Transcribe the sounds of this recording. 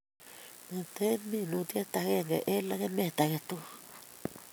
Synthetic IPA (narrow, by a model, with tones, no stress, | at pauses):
na˨t̪e˦mi˦nut̪i˦e˦t̪a˨ɣe˦ŋɡḛ˨ʔe˦la˦ɣe˦me˨t̪a˨ɣe˨t̪u˦